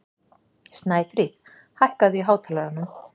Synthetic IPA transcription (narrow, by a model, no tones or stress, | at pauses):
st̪naːjfɾiθ | hajhkaðiɦaːwt̪ʰaːlaɾanːʏm